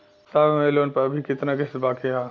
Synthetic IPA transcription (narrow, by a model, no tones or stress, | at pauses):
sabmeloːnpɐbʱikɪt̪nakesbaːkeɦã